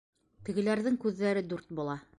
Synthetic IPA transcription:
t̪ɘ̆ɡɘ̆læɾðɘŋkʉðːæɾɘd̪ʉɾt̪̚bulˠɑ

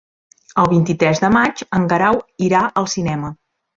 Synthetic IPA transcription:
əlˠβint̪it̪ɾɛzðəmat͡ʃəŋɡəɾawiɾaʔəlˠsinɛmə

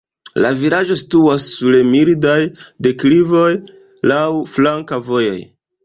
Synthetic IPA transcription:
laviɾad͡ʒo̞situasːulemiɾdajde̞klivo̞j | lawflaŋkavo̞jo̞̰j

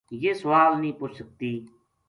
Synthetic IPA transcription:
jeːsəʋaːlnĩːpoːt͡ʃsək̚t̪iː

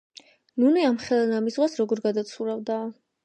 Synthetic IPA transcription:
nuniamχɛlˠanamisʁwasɾɔɡɔɾɡad̪at̪sʰuɾavd̪a

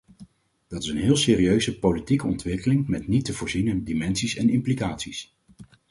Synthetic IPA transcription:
d̥ɑtɪsənɦɪːlˠseːriøɥzəpowlitikəɔntʋɪkəlɪŋmɛtnitəvʊːɹzinədimɛnsisɛnɪmplikaːtsis

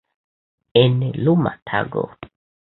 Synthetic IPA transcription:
ɛnɛluma̰tʰa̰ɡɔ̰

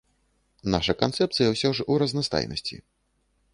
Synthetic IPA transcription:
naʂɐkant̪sɛp̚t̪sɨjɐwsʲɔʐuɾɐznast̪a̰jnɐ̰sʲt͡sʲḭ

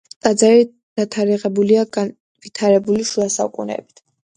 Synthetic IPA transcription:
t̪ʼad̪zaɾi | d̪̥at̪ʰaɾiʁɛbuliaɡa | vit̪ʰaɾɛbuliʃuasa̰ukʼṵnɛ̰bi̥t̪ʰ

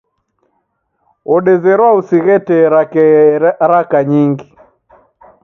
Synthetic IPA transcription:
ɔɗɛzɛɾwausiɣɛtɛɾakɛaɾakaɲiŋɡi

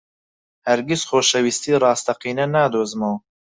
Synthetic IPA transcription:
hɐɾɡisxoːʃɐwiːst̪iːrˤɑːst̪ɐqiːnɐnaːd̪oːzmɐw

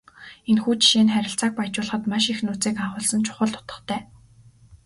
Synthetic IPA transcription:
enxuːt͡ɕi̥ʃiːnχæɾʲɪ̆ɬt͡saːk̚pajt͡ɕʊːɮəχə̆t̪maʃixnuːt͡siːkaʁʊːɮsə̆nt͡ɕʰʊ̥χə̆ɮt̪ʰʊ̥t̪ə̥̆χt̪ʰæː

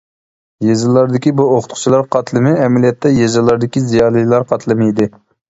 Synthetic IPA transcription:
jezɨlˠːɑɾd̪ɪkʲibuoχʊt̪qʰʊ̥t͡ʃʰilˠɑɾqʰɑt̪lˠɨmɪɛmɛlijɛt̪ːɛjezɨlːˠɑɾd̪ɪkʲizijɑːlˠilˠɑɾqɑt̪lˠɨmɪid̪ɪ

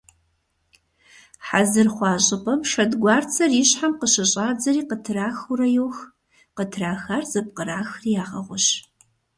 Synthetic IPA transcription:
ħazɨrχʷɑːɕʼɪpʰʼɐmʂɐdɡʷɑːrt͡sʰɐriːɕħamqəɕɐɕʼaːd͡zɐɾiːqətʰɨraːxuɾɐjoːx | qətʰraːxaːrzɐp̚qəɾaːxrjaːʁɐ̰ʁʷʊɕ

